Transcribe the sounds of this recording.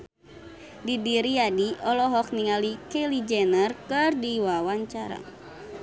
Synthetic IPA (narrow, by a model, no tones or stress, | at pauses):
didiɾiadiɔlɔɦɔk̚niŋalikelid͡ʒɛnərkɨrdiwawaɲt͡ʃaɾa̰